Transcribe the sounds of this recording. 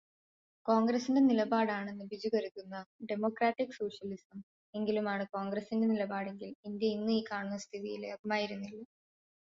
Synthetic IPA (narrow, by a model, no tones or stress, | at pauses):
ko̞ːŋɡɾɐsinde̞nilɐbaːɽaːɳe̞nːɨbid͡ʑukɐɾuk̪ːunːɐɖe̞mo̞ːkɾaːʈːikːso̞ːʂjɐlisɐm | e̞ŋɡilumaːɳɨkoːŋɡɾɐsindenilɐbaːɽe̞ŋɡilind̪jɐinːɨiːkaːɳunːɐst̪ʰiðijilɐbʱimaːjiɾunːilːɐ